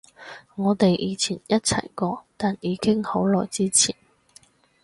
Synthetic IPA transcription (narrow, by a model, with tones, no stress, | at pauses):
ŋɔː˨˧t̪e˨jjiː˨˧˥t͡sʰiː˨˩njɐ˥t̚t͡sʰɐ̰˨˩jkɔː˧t̪aː˨njiː˨˧˥kɪ˥ŋho˨˥wlɔː˨˩jt͡siː˥t͡sʰiː˨˩n